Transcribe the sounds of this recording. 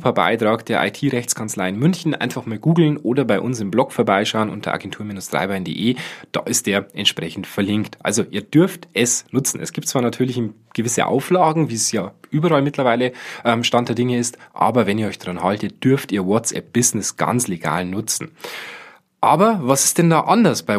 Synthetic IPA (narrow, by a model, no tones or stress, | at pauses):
pʰaba̰ɪtʁ̥aːkd̥eːɐʔa̰ɪtʰiːʁɛçt͡skʰant͡slaɪɪnmʏnçn̩ʔa̰ɪnfaχmaːlɡuːɡl̩nʔoːdɐbaɪʔʊnsɪmblɔkfoːɐbaɪʃaʊənʔʊ̰ntʰɐ̰ʔa̰ːɡɛntʰuːɐmiːnʊsd̥ʁa̰ɪbaɪndḛːʔeːd̥a̰ːʔɪst̚d̥eːɐʔɛntʃpʁ̥ɛçn̩tfɛɐlɪŋktʰʔa̰lzoʔiːɐd̥ʏɐftʔɛsnʊt͡sn̩ɛ̰sɡ̥iːp̚tt͡sv̥aːnatʰyːɐlɪç | ɡ̥əvɪsəʔa̰ʊflaːɡŋ̩viːsjaːʔyːbɐʁalmɪtʰlɐvaɪləʔɛmʃtantd̥eɐdɪŋəɪstʔa̰ːbɐvɛniːɐɔʏçd̥ʁanhaltət̚d̥ʏɐftiːɐwɔt͡sʔɛ̰p̚b̥ɪznɪsɡ̥a̰nt͡sleɡa̰ːlnʊt͡sn̩ | ʔaːbɐvasɪ̥st̚d̥ɛndaːʔandɐsb̥aɪ